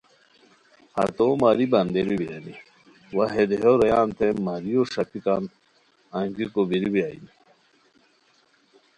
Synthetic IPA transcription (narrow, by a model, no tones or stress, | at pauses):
hɐ̰t̪omaːɾibɐnd̪eɾibiɾɐni | waɦed̪eɦoɾɐjaːnt̪emaɾioʂɐpikan | aŋɡikobiɾibiaḭni